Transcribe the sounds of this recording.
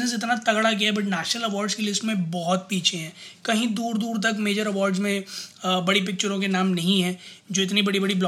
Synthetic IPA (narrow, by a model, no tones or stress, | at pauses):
nəs̬ɪt̪nat̪ɐɡɽak̬iaɦɛbɐʈ̬nɛːʃnəlɐʋɔːɾɖskelɪsʈmẽbɔɦɔt̪̚piːt͡ʃʰeɦɛ̃ːkɐɦĩd̪uːɾd̪uːɾt̪̬ɐkmeːd͡ʒəɾɐʋɔːɾɖzmẽbɐɽip̬ɪk̚t͡ʃəɾõk̬enaːmnɐɦĩɦɛ̃ː | d͡ʒoːɪt̪nibɐɽibɐɽiblː